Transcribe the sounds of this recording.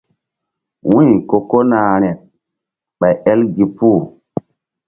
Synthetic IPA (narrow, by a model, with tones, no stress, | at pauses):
wũ˦jko˨ko˦naː˨ɾɛ˨t̚ | ɓa˨jɛ˦lɡi˨pu˦˨